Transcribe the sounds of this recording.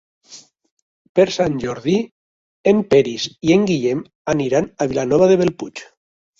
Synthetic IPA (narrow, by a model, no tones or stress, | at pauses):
peɾsanʲʒɔɾði | empeɾizieŋɡiʎem | aniɾanaβilanɔβaðeβelput͡ʃ